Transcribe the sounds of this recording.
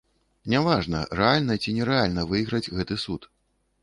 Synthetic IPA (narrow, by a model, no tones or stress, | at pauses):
nʲavaʐnɐ̰rɛalʲnɐt͡sʲinʲɛɾɛalʲnɐvɨjɣɾɐd͡zʲɣɛt̪ɨsut̪